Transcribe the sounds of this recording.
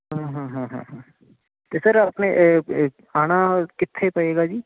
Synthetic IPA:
ɦãɦãːɦãɦã̰ɦã | t̪esɐɾpne | aːɽ̃akɪt̪ʰːepɐeːɡad͡ʒiː

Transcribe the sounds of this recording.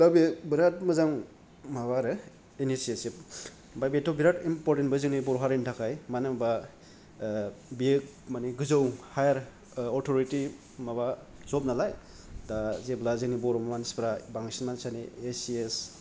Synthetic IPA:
babebiɾat̚mɯzaŋ | mabaɾɯ | enisesip | bajbetʰɔbiɾatimpɔɾtentbazɯŋnibɔɾɦaɾentʰakʰajmanɯmaba | biek̚ | maniɡɯzɯwhajaɾ | ɔtʰɔɾiti | maβazɔp̚nalaj | dazeblazɯŋnibɔɾɔmamanispɾabaŋsinmansaniesies

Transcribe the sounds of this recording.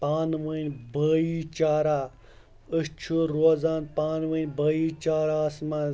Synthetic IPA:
paːnʋənʲbəːit͡ʃaːɾaː | əʃt͡ʃʰuɾoːzaːnpaːnʋəːnʲbəːiːt͡ʃaːɾaːsmaːn

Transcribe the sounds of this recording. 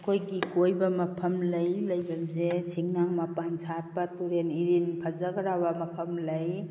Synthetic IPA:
kʰojɡikojbɐmɐpʰɐmlɐjlɐjbamzesiŋnaŋmɐpansat̚pɐtuɾeniɾinpʰɐzaɡɐɾabɐmɐpʰɐmlɐj

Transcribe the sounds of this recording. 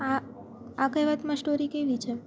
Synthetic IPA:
a | akəjʋat̪mãsʈoɾikeʋit͡ʃʰe

